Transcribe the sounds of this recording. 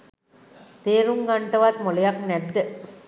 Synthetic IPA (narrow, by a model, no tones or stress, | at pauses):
t̪eːɾuŋɡɐɳʈɐʋaːt̪molɐjaknɛd̪ːɨ